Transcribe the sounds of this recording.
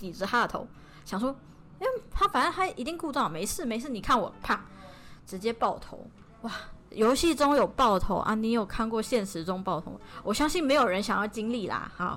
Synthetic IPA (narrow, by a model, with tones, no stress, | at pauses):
t̪i˨˩ʈ͡ʂɻ̩˧˥tʰa˥ə˨t̪ʰo̰˧˦ʊ | ɕjɑ˨˩ŋʂwɔ˥ | i˥wt̪ʰa˥fa˨˩nə˥ntʰa˥˨i˧˥t̪i˥˧ŋku˥˧t͡sɑ˥˩ŋme˧˥ɪsʰɻ̩˥˩me˧˥ɪʂɻ̩˥˩ni˨˩kʰa˥˩nwɔ̰˨˩pʰa˥˩ŋʈ͡ʂɻ̩˧˥t͡ɕjɛ˥pɑ˥˩ʊt̪ʰo̰˧˥ʊ | wa˥˩jo˧˥ʊɕi˥˩ʈ͡ʂʊ˥ŋjo˨˩ʊpɑ˥˩ʊt̪ʰo̰˧˥ʊʔa̰˥˩ni˧˥jo˨˩kʰa˥˧nkwɔ˥˨ɕjɛ˥˩nʂɻ̩˧˥ʈ͡ʂʊ˥ŋpɑ˥˩ʊt̪ʰo̰˧˥wɔ˨˩ɕjɑ˥ŋɕi˥˩nme˧˥ɪjo˨˩ɻə˧˦nɕjɑ˨˩ŋjɑ˥˩ʊt͡ɕi˥ŋli˥˨˩la̰˨˩ha̰˨˩